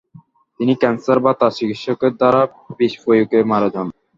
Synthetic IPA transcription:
t̪inikɛnsaɾbat̪asikiʃɔkeɾd̪aɾa | biʃpojukemaɾed͡ʑʱɔn

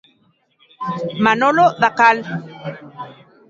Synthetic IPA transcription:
manoloðakal

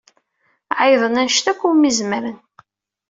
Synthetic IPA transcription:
ʕəjðˤənænʃt̪ækʷːuwmizməɾən

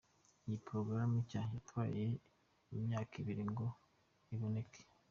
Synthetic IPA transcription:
ijipɾo̞ɡɾamicaɲjatwaːje | imɲaːkiβiɾiŋɡo̞ | iβo̞ne̞kʰe̥

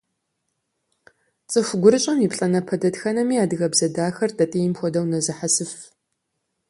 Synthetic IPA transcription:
t͡sʼɨxʷɡʷʊɾɨɕʼɐmipɬʼɐnɐpʰɐdɐdxɐnɐmiːaːdɨɣɐbzɐdaːxɐrdʰʼɐtʼijɪmxʷɔdɐwnɐzɨħasɨf

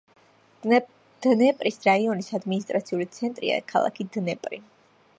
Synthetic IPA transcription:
d̪̥nɛpʼɾisɾaiɔnisad̪minis̬t̪ʼɾat̪sʰiulit̪sʰɛnt̪ʼɾḭa̰kʰalˠa̰kʰid̪nɛpʼɾḭ

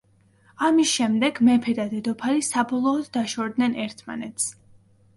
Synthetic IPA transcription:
amisʃɛmd̪ɛɡmɛpʰɛd̪ad̪ɛd̪ɔpʰaɾisabɔlˠɔːd̪ːaʃɔɾd̪nɛnɛɾt̪ʰma̰nɛt̪ʰs

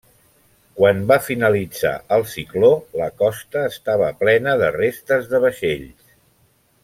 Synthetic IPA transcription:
kwanbafinəlid͡za̰ʔəlˠsikloləkɔst̪əːst̪aβ̞əplɛnəðərest̪əzðəβəʃeʎs

